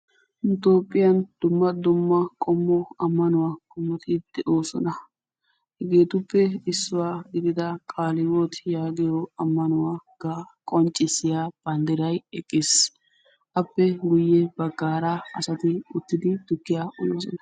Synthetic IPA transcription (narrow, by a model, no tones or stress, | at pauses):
ɪt̪oːpʼːɪjɐnd̪̥ʊmːɐd̪ʊmːɐkʼɔmːɔɐmːɐnʊwakʼɔmːɔt̪ʰɪd̪̥ɛʔoːsɔ̰nɐ | hɛɡe̞ːt̪ʊpːɛɪsːʊwaːɡɪd̪ɪd̪ɐkʼaːlɪwoːt̪jaːɡɪjɔɐmːɐnʊwaːkːakʼɔnt͡ʃʼːɪsɪjaːb̥ɐnd̪ɛɾɐjɛkʼːɪs | ʔɐpːɛɡʊjːɛbɐɡːaːɾaɐsɐt̪ɪʊt̪ːɪd̪ɪd̪̥ʊkːɪjaʔɔjoːsɔnɐ